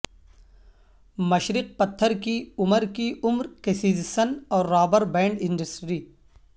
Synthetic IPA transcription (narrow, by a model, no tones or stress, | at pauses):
mɐʃɾɪq̚pɐt̪ʰːəɾkiʊməɾkiʊmɾkesiːzsənɔːɾːaːbəɾbɛ̃ːɳɖɪ̃ɳɖəsʈɾiː